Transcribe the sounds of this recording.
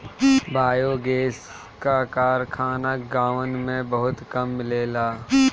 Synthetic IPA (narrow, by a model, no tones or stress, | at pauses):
baːjoɡeːs | kakaːɾkʰaːnaɡaːʋənmẽbɐɦʊt̪kɐmːleːlaː